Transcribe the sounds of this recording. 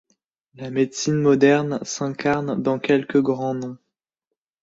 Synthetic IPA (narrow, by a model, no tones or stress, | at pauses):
lamed̪sinmɔd̪ɛʁnsɛ̃kaʁnd̪ɑ̃kʲɛlkəɡʁɑ̃d̪